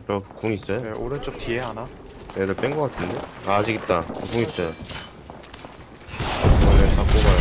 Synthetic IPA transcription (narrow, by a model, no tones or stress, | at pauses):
t͡ɕʌkoŋis͈ʌjooɾɯnt͡ɕ͈ok̚tieana | eɾɯɭp͈enŋɡʌk͈atʰɯndeaːd͡ʑiɡit̚t͈akʌkoŋis͈ʌjo | ʌnetʰakoɡa